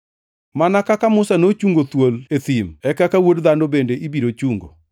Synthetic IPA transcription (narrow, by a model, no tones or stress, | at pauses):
manakakamʊsanot͡ʃuŋɡot̪wolet̪imɛkakawodd̪andobendeʔibiɾot͡ʃuŋɡo̰